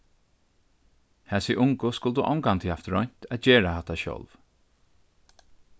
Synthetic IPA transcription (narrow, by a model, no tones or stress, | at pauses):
hæːsiʔʊŋkʊskʊlt̪uʔɔ̰wŋkant̪ʰiːhaft̪ɾɔ̰ɲ̥t̪æt̪d͡ʒɛːɹahat̪aʃœ̰lv